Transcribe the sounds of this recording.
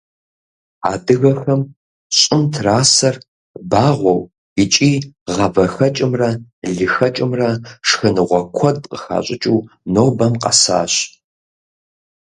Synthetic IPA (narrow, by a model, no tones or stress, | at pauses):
a̰ːdɨɣɐxɐm | ɕʼɪmtʰraːsɐr | baːʁʷɔw | it͡ʃʼiːʁɐvɐxɐt͡ʃʼɪmrɐɮɨxɐt͡ʃʼɪmrɐʂxɐnɨʁʷɔkʷʰɔd̚qə̥xa̰ːɕʼɪt͡ʃʼuːnoːbɐmqɐ̰sa̰ːɕ